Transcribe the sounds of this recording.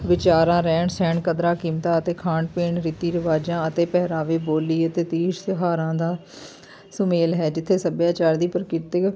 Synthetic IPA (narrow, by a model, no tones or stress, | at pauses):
ʋɪt͡ʃaːɾãːɾɛːɳsɛːɳkəd̪ɾaːkiːmt̪ãːət̪eːkʰãːɳɖpeːɳɾit̪iːɾɪʋaːd͡ʒãːət̪eːpɛːɦɾaːʋeːboːliːət̪eːt̪iːʃsɪɦaːɾãːd̪aː | sʊmeːlɦɛːd͡ʒɪt̪ʰːeːsəbjaːt͡ʃaːɾd̪iːpəɾkɪt̪ək